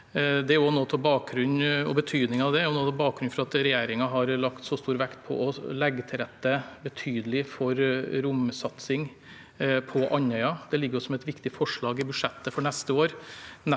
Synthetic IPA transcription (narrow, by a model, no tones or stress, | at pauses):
d̪ɛæɾjʊnoːt̪ʰɛlbɑːkɾʉnɔ̰bət̪ʰyːd̪nɪŋɑʋd̪ɛæɾjʊnoːt̪ʰɛlbɑːk̚ɡɾʉnfɔɾɑt̪ɾɛjeːɾɪŋɑɦɑɾlɑkt̪sɔst̪uːɾʋɛkt̪̚pʰɔ̰ʔɔlɛɡːət̪ʰɪɾɛt̪ːəbət̪ʰyːd̪əlɪfɔɾɾʊmsɑt̪sɪŋ | pʰɔʔɑnœʏɑd̪ɛlɪɡːəɾʊsɔmɛt̪ʋɪkt̪ɪfɔʂɭɑːɡɪbʉʂɛt̪ːəfɔɳɛst̪əoːɾn